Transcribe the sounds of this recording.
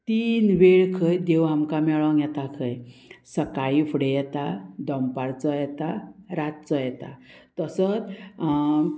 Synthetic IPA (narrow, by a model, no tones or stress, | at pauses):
t̪iːnʋeɭkʰəjd̪ewɦamkamɛɭɔ̃ŋɡjɛt̪akʰəjsəkaifʰuɽejɛt̪ad̪ɔmpaɾt͡səjɛt̪aɾat̪̚t͡sɔjɛt̪a̰ | t̪əsət̪